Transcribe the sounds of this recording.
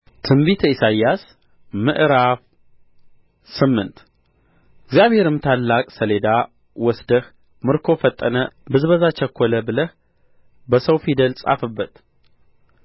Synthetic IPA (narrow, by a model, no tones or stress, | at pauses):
t̪ʰɨmbit̪ʰisajas | mɨʔɾaf | sɨmːɨnt̪ | ɪɡzjaβhe̞ɾɨmt̪ʰalːakʼsəle̞d̪a | wɔsd̪əh | mɨɾkʰo̞fət̪ʼːənəbɨzβəzat͡ʃəkʰʷːɔləbɨləh | bəsəwfid̪əlsʼa̰fɨbːət̪